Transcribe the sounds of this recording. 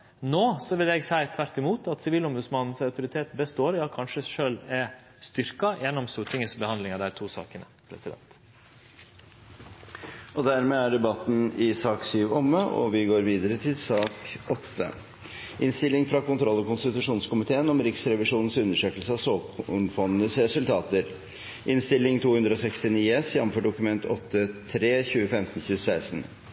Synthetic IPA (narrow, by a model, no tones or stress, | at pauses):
noːsɔʋɪlɛɡsæɪt̪ʰʋæɾʈ̪ɪmuːt̪ʰɑt̪sɪʋiːlɔmbʉd̪smɑnn̩sɑʉt̪ʊɾɪt̪ʰeːt̪bəst̪oːɾjɑːkʰɑnʂəʂøːlɛ | st̪ʏɾkɑjɛnːɔmst̪uːʈʰɪŋəsbəhɑnlɪŋɑd̪æɾt̪ʰuːsɑ̰ːkənə̰pʰɾɛ̰sɪd̪ɛ̰nt̪ | ɔd̪æɾmeːæɖɛbɑt̪ːn̩ɪsɑːksyːʋɔmːəʔɔ̰ʋɪɡoːɾʋiːd̪əɾət̪ʰɪlsɑːkʔɔt̪ʰːə̰ | ʔɪnst̪ɪlːɪŋfɾɑkʊnt̪ʰɾɔlːɔkʊnst̪ɪt̪ʉʂuːnskʊmɪt̪ʰeːənɔmɾɪksɾɛʋɪʂuːnn̩sʉnːəʂøːkəlsəɑsoːnfɔnənəsɾɛsʉlt̪ʰɑːt̪əɾ | ʔɪnst̪ɪlːɪŋt̪ʰuːhʉnd̪ɾəɔsɛkst̪ɪniːɛsjɛməfɔɖʊkʉmɛnt̪ʰɔt̪ʰːət̪ʰɾeːçʉːəfɛmt̪n̩çʉːsæɪsn